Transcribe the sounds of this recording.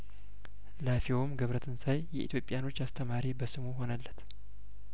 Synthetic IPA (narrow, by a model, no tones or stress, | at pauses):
lafiomɡəβɾət̪ʰɨnsajjɛʔit̪jo̞pʼːijano̞t͡ʃːast̪ʰəmaɾibəsɨmuɦo̞nəlːət̪